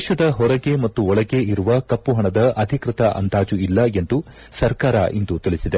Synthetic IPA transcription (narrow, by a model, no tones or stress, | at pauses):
dːʃɐd̪ɐɦɔɾɐɡe̞mɐt̪ːuɔɭɐɡeiɾuʋɐkɐpːuɦɐɳɐd̪ɐʔɐd̪ʱikɾɪt̪ɐʔɐ̰nd̪aːd͡ʒuilːɐe̞nd̪u | sɐɾkaːɾɐ̰ʔind̪ut̪iɭisid̪e